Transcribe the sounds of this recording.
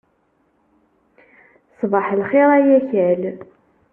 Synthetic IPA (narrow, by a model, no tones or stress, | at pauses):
sˤvɑħlχeɾˤæjæçæl